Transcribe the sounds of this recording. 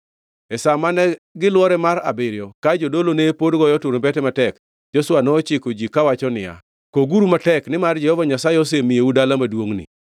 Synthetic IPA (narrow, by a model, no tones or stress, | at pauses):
ɛsamanɛɡɪlwɔɾɛmaɾa̰bɪɾɪjɔkad͡ʒodolonepodɡɔjɔtuɾbɛtɛmatɛk | d͡ʒoswanɔːt͡ʃɪkod͡ʒikawat͡ʃɔnɪja̰ | koɡuɾumatɛknɪmard͡ʒɛhɔvaɲasaɪɔs̬emijeudalamadwoŋnɪ̰